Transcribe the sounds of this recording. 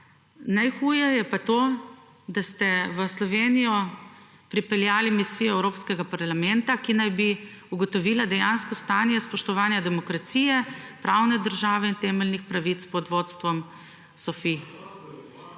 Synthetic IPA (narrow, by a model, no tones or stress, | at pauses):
najxuːjɛjɛpat̪oː | d̪ast̪ɛʋəslɔʋenijɔ | pɾipɛljaːlimisijɔɛwɾoːpskɛɡapaɾlamɛnt̪akinajbi | uɡɔt̪ɔʋiːlad̪ɛjanskɔst̪anjɛspɔʃt̪ɔʋaːnjad̪ɛmɔkɾat̪siːjɛpɾaːwnɛd̪əɾʒaːʋɛint̪ɛmɛlnixpɾaʋit̪spɔd̪ʋoːt̪st̪ʋɔm | sɔfi